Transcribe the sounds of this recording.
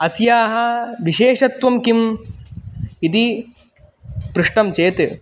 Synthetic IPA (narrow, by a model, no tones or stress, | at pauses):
ɐsjaːɦɐʋiʃeːʃɐt̪ʋɐmkim | it̪i | pɾuʂʈɐmt͡ʃeːt̪